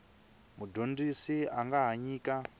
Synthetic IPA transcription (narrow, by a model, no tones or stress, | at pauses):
mudʱondisiaŋɡaɦaɲiːka